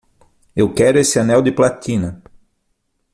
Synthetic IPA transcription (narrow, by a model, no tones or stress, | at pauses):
ewkɛɾʊesɪanɛwd̪ɪplat̪ĩnɐ